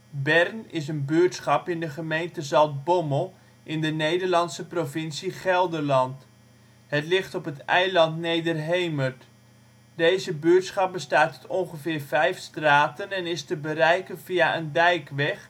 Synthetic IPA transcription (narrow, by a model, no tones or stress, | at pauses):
bɛrnɪs̬ənbyəɹtsχɑpɪndəχəmejntəzɑlˠt̚bɔməlˠ | ʔɪndənejdəɹlɑnsəprovɪnsiχɛlˠdərlɑnt | ɦətlɪχtɔpətɛjlɑntnejdərɦejmərt | dejzəbyːtsχɑp̚bəstaːttɔnχəvɪːrvɛjfstraːtənɛnɪstəbərɛjkənviaʔəndɛjkʋɛχ